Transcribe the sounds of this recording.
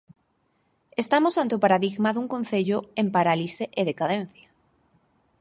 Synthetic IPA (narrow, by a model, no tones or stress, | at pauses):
est̪amosant̪eopaɾaðiɣmaðuŋkõn̟θeʎoempaɾaliseʔeðekaðẽn̟θja